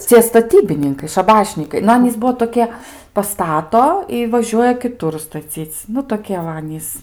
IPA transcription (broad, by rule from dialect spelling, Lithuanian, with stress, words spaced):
ˈt͡sʲiɛ stɐˈtʲiːbʲɪnʲɪŋkɐɪ ʃɐˈbɑːʃʲnʲiːkɐɪ nʊ ˈɑːnʲiːs ˈbuɔ toːˈkʲiɛ pɐˈstɑːtoː ɪ ʋɐˈʒʲuɔjɛ kʲɪˈtʊr stɐˈt͡sʲiːt͡s ˈnʊ toːˈkʲiɛ ʋɐ ˈɑːnʲiːs